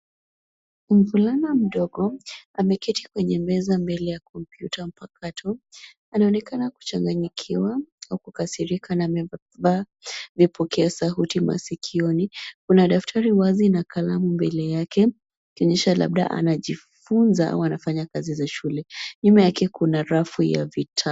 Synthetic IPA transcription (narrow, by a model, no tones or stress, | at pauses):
m̩vulanam̩ɗɔɡɔamɛkɛtʰikwɛɲɛmbɛzambɛlɛjakɔmpjutʰam̩pakʰatʰɔ | anaɔnɛkanaku̥t͡ʃaŋɡaɲikʰiwaaukukasiɾikʰanamɛ | va | vipʰɔkʰɛasaɦutima̰sikʰiɔnikunaɗaftʰaɾiwazinakʰalamumbɛlɛjakɛ | ikiɔɲɛʃala̰ɓ̚ɗa̰ʔa̰naʄifunzaa̰uanafaɲakazizaʃulɛɲumajakɛkunaɾafuja̰vitʰa